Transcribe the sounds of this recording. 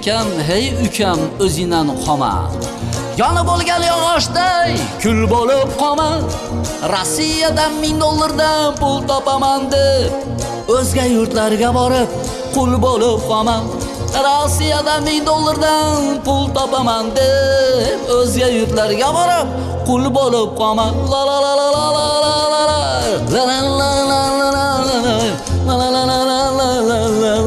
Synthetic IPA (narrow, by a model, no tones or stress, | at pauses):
kʲanɦejʊkʲʰamɵzɪnanqʰɒma̰ | jɒnabolˠɡʲanjɒʁɑʃd̪ajkʲʰʊlbolɪp̚qʰɒman | ɾosːijad̪anmɪŋd̪olˠːaɾd̪anpʊlˠt̪ɒpamand̪ɪ | ɵzɡʲajʊɾt̪laɾɪɡʲabɒɾɪp̚ | qʰʊlˠbolɪp̚qʰɒman | ɾosijad̪ammɪŋd̪olˠːaɾd̪anpʊlˠt̪ʰɒpamand̪ɪ | ɵzɡʲajʊɾt̪laɾɪɡʲabɒɾɪp̚ | qʰʊlˠbolˠɪp̚qɑmanlˠalalalallalla | lalalalalala | laa | aalalala | a | la | a